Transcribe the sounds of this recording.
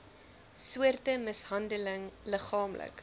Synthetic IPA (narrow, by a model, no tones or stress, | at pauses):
suərtəməsɦɐndələŋləχɑːmlə̰k